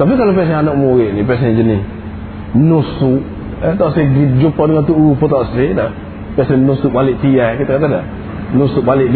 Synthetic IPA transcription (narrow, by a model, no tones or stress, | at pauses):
tɔfikalopɛs̬ẽanomowenipɛs̬ẽd͡ʒini | nosu | ɛtɔseɡid͡ʒupːɔdiŋatuufotɔseda | pɛsenosuɓalitijakitakatada̰ | nosuɓalid